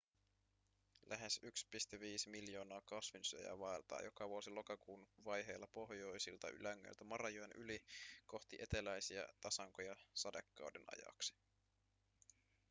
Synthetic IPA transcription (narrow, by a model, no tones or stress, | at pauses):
lʔæɦe̞sykspist̪eʋiːsmiljo̞ːnɑːkɑsʋinsyø̰jæ̰ʋɑelt̪ɑ̰ːjo̞kɑʋuosilo̞kɑkuːnʋɑjɦe̞jlːɑpo̞ɦjo̞jsilt̪ɑ̰ʔy̰læŋːø̰jlt̪æmɑrɑjojenʔyliko̞xt̪iʔe̞t̪e̞læjsiɑ̰t̪ɑsɑŋkojɑsɑdekːɑ̰wdenɑ̰jɑ̰ksi̥